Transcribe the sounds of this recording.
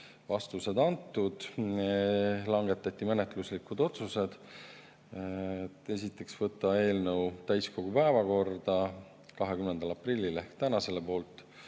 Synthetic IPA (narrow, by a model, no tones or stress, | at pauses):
vɑst̪use̞d̪ɑnt̪ːˑud̪̥ | lɑŋɡe̞t̪ːˑɑt̪ʲːˑimenet̪ˑluslikud̪̥o̞t̪suse̞d̪̥ | t̪ːe̞s̬it̪ːˑe̞ksvɤt̪ːˑɑe̞ːlnɤwt̪æjsko̞ɡ̥upæevɑko̞rd̪̥ɑ | kɑɦe̞kymnend̪̥ɑlɑprilʲːilehkt̪ænɑse̞lepo̞ːlt̪ːˑ